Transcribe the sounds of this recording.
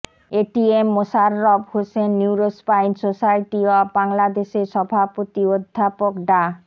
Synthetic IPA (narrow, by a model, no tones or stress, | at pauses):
eʈiemːosaɾːobhosenːiwɾospajnsosajʈiabaŋlad̪eʃeɾʃɔbʱapot̪iod̪ʱːapokɖa